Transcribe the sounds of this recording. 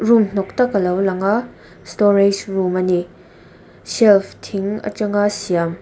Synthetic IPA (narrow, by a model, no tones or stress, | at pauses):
ɾumn̥oktɐkɐlɐwlɐŋa | stoɾid͡ʒɾumɐni | selpʰtʰiŋɐ̰t͡ʃɐŋasijam